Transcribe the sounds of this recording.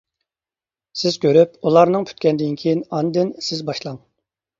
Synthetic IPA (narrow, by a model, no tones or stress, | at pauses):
sɪz̥kʲʰøɾypulˠɑɾnɨŋpʰy̥t̪̚kʲɛnd̪ɪnkʲʰejinɑnd̪ɪnsɪzbɑʃlˠɑŋ